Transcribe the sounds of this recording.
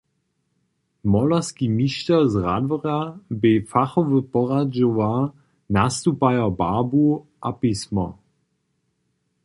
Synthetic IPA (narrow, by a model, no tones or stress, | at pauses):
mɔlaskimiʃtɛzʁa̰dvɔʁabɪfaχɔvəpɔʁad͡ʒova | nast̪upajɐbabuʔapismɔ